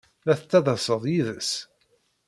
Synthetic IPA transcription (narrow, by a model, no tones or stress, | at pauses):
læθət͡s̪ːæðˤəsˤəðˤjiðəs